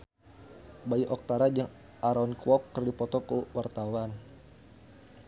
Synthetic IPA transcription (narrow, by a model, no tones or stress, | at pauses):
baiʔɔk̚t̪aɾad͡ʒaŋ | ʔaɾɔnkuwɔkːərdipɔt̪ɔkəwart̪awan